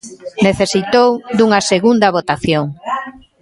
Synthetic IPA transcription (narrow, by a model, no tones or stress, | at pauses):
neθesit̪owd̪uŋɐseɣund̪ɐβot̪aθjoŋ